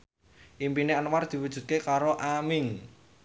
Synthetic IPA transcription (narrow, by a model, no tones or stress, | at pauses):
ʔimpineənward̪̥i̤wud̥ʒ̥ṳt̪̚kekaɾoʔamɪŋ